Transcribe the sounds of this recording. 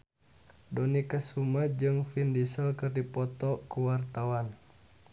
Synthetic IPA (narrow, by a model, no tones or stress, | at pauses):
dɔnikasumad͡ʒɨŋfindisəlkɨrdipɔt̪ɔkuwart̪awan